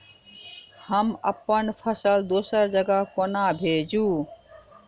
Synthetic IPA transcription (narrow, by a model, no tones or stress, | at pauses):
həməpːənpʰəsəld̪osəɾd͡ʒəɡəkonabʱed͡ʒu